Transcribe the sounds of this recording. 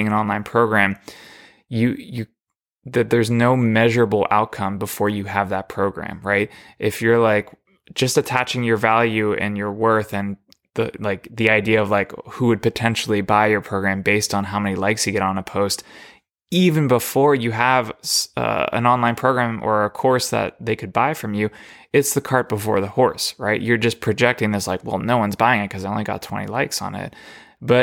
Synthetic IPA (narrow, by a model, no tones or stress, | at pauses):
ɪ̃ŋɨ̃ñɑ̃nlãɪ̃npʰɹ̥oʊɡɹæ̃m | jɨjɨ | ðɨt̪̚ðə˞znoʊmɛʒə˞əbl̩ˠa̰ʊt̚kʰʌ̃mbəfɔɹjɨəvðət̚pʰɹ̥oʊɡɹæ̰̃mɹaɪt̚ʔɪfjə˞laɪk | d̥ʒ̥ʌstɨtʰæt͡ʃɪ̃ŋjə˞vælˠjʉɨ̰̃njə˞wɜ˞θɨ̃n | ðɨ̰laɪk̚ðiaɪdiɨʌvlaɪkhuwɨd̚pɨtʰɛ̃nʃl̩ˠibaɪjə˞pʰɹ̥oʊɡɹæ̃mbeɪstn̩ɦaʊmɛ̃nilaɪksjɨɡɛɾn̩əpʰoʊst | ivɨ̃nbəfɔɹjɨəvsʌ̰ə̰̃nɑ̃nlãɪ̃npʰɹ̥oʊɡɹæ̃mʔə̰˞ɨkʰɔɹsðə̰t̪̚ðeɪkʰɨd̚baɪfɹʌ̃mjʉ | ɪtsðɨkʰɑɹt̚b̥əfɔ̰ɹðəhɔɹsɹa̰ɪʔjə˞d͡ʒʌspʰɹ̥ɨd͡ʒɛk̚tɪ̃ŋðɪslaɪkwɛ̰lˠnoʊwʌ̃nzbaɪɪ̃ŋɨt̚kʰʌzaɪõʊ̃nliɡɑ̰tʰw̥ɛ̰̃ɾ̃ḭlaɪksn̩ɪ̰t̚ | b̥ʌ